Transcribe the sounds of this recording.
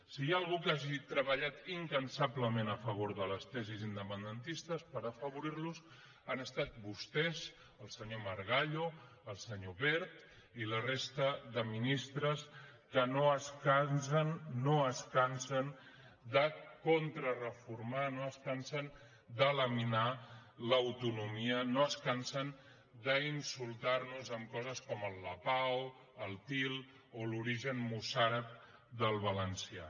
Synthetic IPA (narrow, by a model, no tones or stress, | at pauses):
sijaəlˠɣukaʒit̪ɾəβəʎat̪iŋkənsabləmẽnəfəβ̞oɾðələst̪ɛzizind̪əpənd̪ənt̪ist̪əspəɾəfəβuɾiɾlus | anəst̪at̪̚bust̪ɛz | əlˠsəɲoməɾɣaʎo | əlˠsəɲoβɛɾt̪ | ilərest̪əðəminist̪ɾəskənoəskansənːoəskansən | d̪əkont̪ɾərəfuɾmanoəskansən | d̪ələminaləwt̪unumiənoəskansən | d̪əinsulˠt̪arnuzəmkɔzəskɔməlˠːəpaw | əlˠt̪ilˠ | oluɾiʒənmusaɾəp̚ | d̪əlˠβ̞ələnsia̰